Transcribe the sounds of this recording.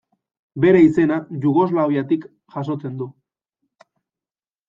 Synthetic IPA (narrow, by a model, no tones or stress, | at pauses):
be̞ɾe̞ise̞naʝuɣo̞zlaojat̪ik | ʝaso̞t͡se̞nd̪u